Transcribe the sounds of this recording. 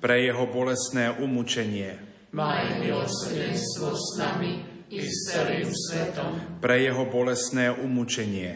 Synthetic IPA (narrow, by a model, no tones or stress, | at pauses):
pɾɛjɛɦɔbɔlɛsnɛːʔumut͡ʃɛɲɪɛ | majmiɔsɛɛnst̪ʋɔsnami | iɛliusʋɛt̪ɔmpɾɛjɛɦɔbɔlɛst̪nɛːʔumut͡ʃɛɲɪɛ